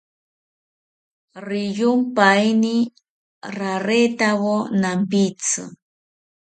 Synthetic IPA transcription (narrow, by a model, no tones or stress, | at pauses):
ɾijʊmpajni | ɾaɾet̪awonampit͡sɨ̰